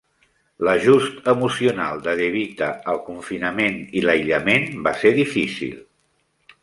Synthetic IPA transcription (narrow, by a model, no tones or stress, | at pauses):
ləʒust̪əmusiunalˠd̪əðəβit̪əːlˠkuɱfinəmeniləjʎəmenbaseðifisḭlˠ